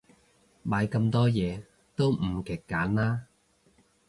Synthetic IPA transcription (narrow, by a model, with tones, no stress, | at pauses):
maː˨˥jkɐ˧mt̪ɔː˥jɛː˨˧ | t̪o˥wm̩˨˩kɛ˨˩kːaː˨˥nlaː˥